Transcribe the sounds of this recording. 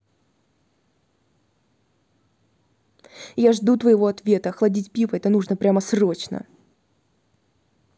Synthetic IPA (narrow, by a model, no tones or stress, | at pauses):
jaʐd̪ut̪vəjɪvo̞ɐt̪vʲe̞t̪əxlˠɐdʲitʲpʲivəɛt̪ənuʐnəpɾʲaməsro̞t͡ɕnə̰